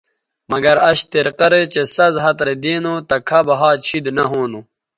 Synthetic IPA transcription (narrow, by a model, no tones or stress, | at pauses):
mɐɡɐɾɐɕt̪iɾqɐɾet͡ɕesɐzɦɐt̪ɾed̪eːnoːt̪ɐkʰɐbɐɦaːt͡ɕʰid̪nɐɦoːnu